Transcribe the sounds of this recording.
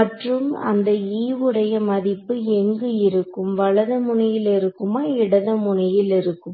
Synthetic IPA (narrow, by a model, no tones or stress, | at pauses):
ɐʈrɯmɐ̰nd̪ɐiːʋɯɽɐjɐmɐðɪpːɯɛŋɡɯɪɾɯkːɯmʋɐɭɐðɐmʊɳɐjɪlɪɾɯkːɯmaːɪɽɐðɐmʊɳɐjɪlɪɾɯkːɯm